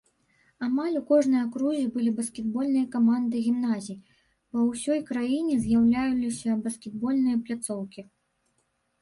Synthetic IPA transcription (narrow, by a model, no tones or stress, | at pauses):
amalʲukɔʐnɨjɐkɾuzʲibɨlʲibɐskʲɛd̪bɔlʲnɨjɐkamand̪ɨɣʲimnazʲiji | pɐwsʲɔjkɾajinʲɛzʲjawlʲajulʲisʲɐbɐskʲɛd̪̚bɔlʲnɨjɐplʲat̪sɔwkʲi